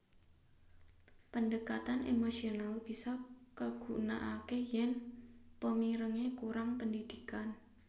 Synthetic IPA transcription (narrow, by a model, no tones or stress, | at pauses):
pəndəkat̪anʔemosionalb̥isɔkaɡ̥una̰ʔakejɛnpəmiɾəŋekuɾaŋpəndid̪̥ikan